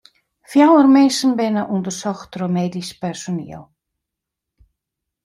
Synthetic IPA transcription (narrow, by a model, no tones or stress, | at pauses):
fjaːwaɾmejsənbejnaʔunt̪ʏɾ̥sɔxt̪ɾɔmejɾispɛɾsɔnḭa̰w